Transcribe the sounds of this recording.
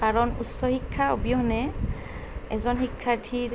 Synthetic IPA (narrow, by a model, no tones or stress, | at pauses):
kaɹɔnṵsɔhikʰːaobijɔɦɔnɛ | ɛzɔnxikʰːaɹtʰiɹ